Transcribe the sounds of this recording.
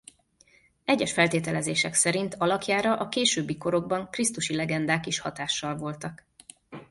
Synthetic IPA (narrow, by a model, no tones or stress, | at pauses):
ɛɟːɛʃfɛlt̪eːt̪ɛlɛzeːʃɛksɛɾint̪ʰɒlɒkjaːɾɒʔɒkeːʃøːbːiko̞ɾo̞ɡ̚bɒŋkrist̪uʃilɛɡɛnd̪aːkiʃhɒt̪aːʃːɒlvo̞lt̪ɒk